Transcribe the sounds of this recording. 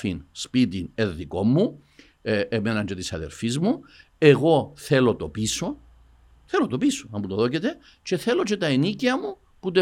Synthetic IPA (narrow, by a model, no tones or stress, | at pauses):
finspit̪ine̞ðːiko̞mːu | emenɐnd͡ʒet̪isɐ̰ðḛɾfizmu | e̞ɣo̞θe̞lo̞t̪o̞piso̞ | θe̞lot̪o̞pisoɐmbut̪oðo̞cet̪e̞ | t͡ʃe̞θe̞lo̞t͡ʃe̞t̪ɐeniciɐmu | put̪e